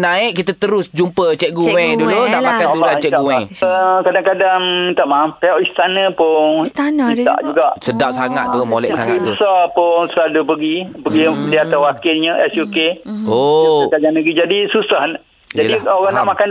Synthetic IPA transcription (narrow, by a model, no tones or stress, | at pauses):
naɪʔkit̪at̪əɾʊsd͡ʒumpət͡ʃɛʔ̚ɡuwɛ̃ŋdulunaʔakandulant͡ʃɛɡuwɛŋəkadaŋkadaŋit̪aʔmapeɔʔist̪anə̃pʊnst̪anaa̰ʔd͡ʒuɡaʔsədaʔsaŋat̪̚t̪umolɛ̰məsaŋaibəsɔpʊŋsəlalupəɡipəɡiliat̪awakɪlɲəʔɛsukeokad͡ʒanəɡid͡ʒadisusah | jd͡ʒaədiaoɣaŋnaʔmakan